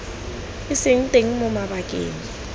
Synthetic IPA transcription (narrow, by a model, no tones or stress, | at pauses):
ɪsɪŋ̩tʼeŋ̩mʊmaɓakʼḛːɲi